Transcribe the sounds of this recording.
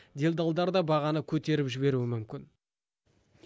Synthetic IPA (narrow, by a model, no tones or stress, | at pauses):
d̪e̞ld̪ɑlˠd̪ɑɾd̪ɑbɑʁɑnəkʲʰɵt̪e̞ɾɪpʒɪβe̞ɾuɪmʏmkʲɪn